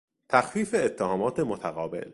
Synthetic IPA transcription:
t̪ʰæxfiːfe̞ːt̪ʰːehɒːmɒːt̪ʰe̞mot̪ʰæɣɒːbe̞̰l

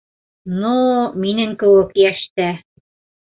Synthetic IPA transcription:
numinɘŋkɘ̆wɘkjæʃt̪æ

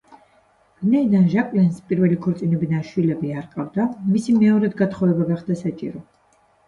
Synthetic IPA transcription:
vinaid̪anʒakʼlɛnspʼiɾvɛlikʰɔɾt̪sʼinɛbinaʃwilɛbiaɾqʼavd̪amisimɛɔɾɛd̪ɡat̪χɔɛbaɡaχd̪̥asat͡ʃʼḭɾɔ

